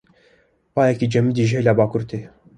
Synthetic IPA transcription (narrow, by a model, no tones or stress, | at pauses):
pɑːjɛkid͡ʒɛmid̪iʒɛlabɑːkuɾt̪ʰe